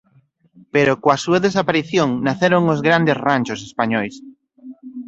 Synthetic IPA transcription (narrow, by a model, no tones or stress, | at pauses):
peɾokoasuaðes̬apaɾiθjoŋnaθeɾoŋozɣɾand̪esranʲt͡ʃosespaɲɔjs